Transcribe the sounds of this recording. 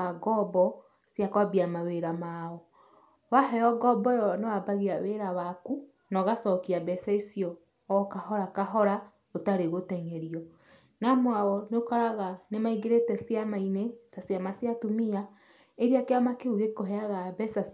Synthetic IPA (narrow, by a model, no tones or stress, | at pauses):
aɡɔbɔ | sjakwabiamaweɾamaːɔ | waɦɛjɔɡɔbɔjɔnewabaɣiaweɾawaku | nɔɣasɔkiabɛsaisijɔː | kahɔɾakaɦɔɾa | otaɾeɣotɛɲɛɾiɔ | namoaɣɔnokaɾaɣanemaiɣeɾetɛsjamainetasjamasjatumia | eɾiakeamakeuɣekoɦɛaɣabɛsa